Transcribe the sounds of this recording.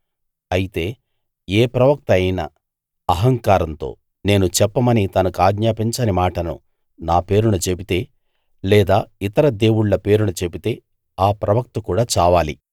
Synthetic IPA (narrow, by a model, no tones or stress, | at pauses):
ɐjit̪e̞ː | eːpɾɐʋɐk̚t̪ɐjnɐ̰ | ɐɦɐŋkaːɾɐnt̪o̞̰ː | ne̞ːnut͡ʃɛpːɐmɐnit̪ɐnɐkuaːɡɲaːpiɲt͡ʃɐnimaːʈɐnṵ | naːpe̞ːɾunut͡ʃepit̪e̞ː | lɛːd̪aːit̪ɐɾɐd̪e̞ːwuɽlɐpe̞ːɾunut͡ʃe̞pit̪e̞ː | aːpɾɐʋɐk̚t̪ɐkuːɽaːt͡ʃaːʋaːlḭ